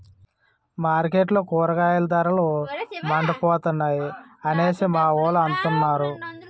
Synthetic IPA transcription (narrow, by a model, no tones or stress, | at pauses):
maːɾkeʈlokuːɾɐkaːjɐlɐd̪ɐɾɐlomɐɳɖɐpɔːt̪unːaːjiɐneːsimaːʋoːluɐnt̪unːaːɾu